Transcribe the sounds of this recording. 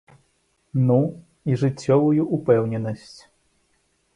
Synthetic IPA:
nu | iʐɨt͡sʲːɔvujuʔupɛwnʲɛnɐsʲt͡sʲ

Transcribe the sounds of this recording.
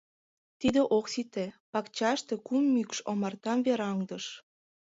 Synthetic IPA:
t̪id̪eʔoksit̪ĕpɑkt͡ɕɑʃt̪e̽kumːykʃomɑrt̪ɑmβeɾɑŋd̪ɤ̆ʃ

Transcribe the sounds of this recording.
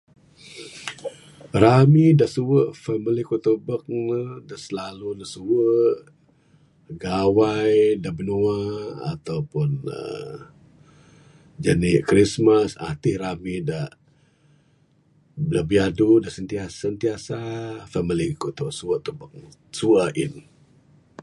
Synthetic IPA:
ɾamidaʔsuwəʔfamilikuʔt̪ubək̚nədaʔsəlalunəsuwəʔ | ɡawajdaʔbənuaa̰t̪awpʊnə̰ | d͡ʒanikɾismasa̰t̪ihramidaʔ | laʔbiadudaʔsənt̪iasant̪iasafamilikut̪uʔsuəʔt̪ubək̚suaʔḭn

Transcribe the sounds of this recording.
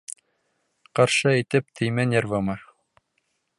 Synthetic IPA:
qɑɾʃɤit̪ɘp̚t̪ʰɘ̆jmænʲeɾvɤmɑ

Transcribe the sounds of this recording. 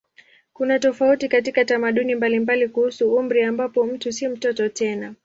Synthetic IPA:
kunatɔfautikatikatamaɗunimbalimbalikuhusuum̩ɾiambapɔm̩tusim̩tɔtɔtɛna

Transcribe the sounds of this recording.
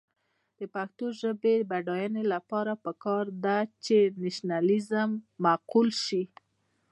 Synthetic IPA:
d̪̥əpaxt̪oʒəbebaɖɑjɑnelapɑɾapəkɑɾd̪at͡ʃenaʃnalizəmːaqulʃi

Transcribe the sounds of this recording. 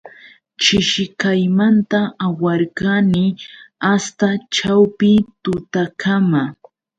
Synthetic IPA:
t͡ʃɪʃɪkajmant̪aawaɾkanɪast̪at͡ʃawpɪt̪ʊt̪akʰama

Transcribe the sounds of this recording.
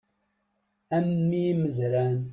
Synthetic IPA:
æmːiməzɾæn

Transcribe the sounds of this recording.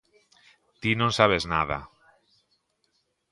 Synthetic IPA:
t̪inõnsaβ̞ezna̰ð̞a̰

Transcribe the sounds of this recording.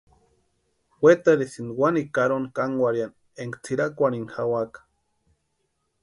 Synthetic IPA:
wet̪aɾesinwanikaɾonkaŋɡʷaɾjan | eŋkt͡sʰiɾakʷaɾinxawakḁ

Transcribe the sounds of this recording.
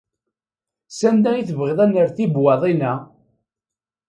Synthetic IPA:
sænd̪æiθvʁɪðˤænəɾθibwɑðˤinæ

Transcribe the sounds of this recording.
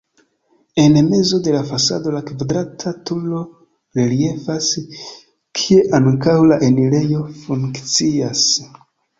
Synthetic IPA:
e̞nme̞zo̞de̞lafasa̰do̞lakvadɾatʰatulo̞ | ɾelie̞fas | kʰie̞ʔaŋkawlaʔenile̞jo̞fuŋkt͡sias

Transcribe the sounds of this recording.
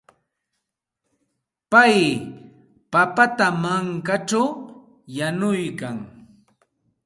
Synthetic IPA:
paj | papat̪amaŋkat͡ʃaw | janʊjkaŋ

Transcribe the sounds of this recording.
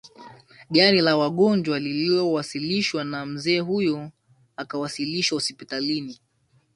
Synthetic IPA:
ɠaɾilawaɠɔnd͡ʒwaliliɔwasiliʃwanam̩zɛːɦujɔ | akawasiliʃwahɔspitalini

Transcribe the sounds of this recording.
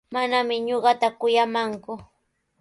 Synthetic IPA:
manamɪɲoɢɑt̪akʊjamaŋkʊ

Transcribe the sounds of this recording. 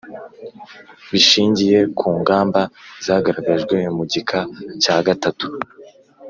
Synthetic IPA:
βiʃiːɲɟije̞kʰuːŋɡaːmbaz̥aːɡaɾaɡaʒɡwe̞muɟikʰacaːɡatatu̥

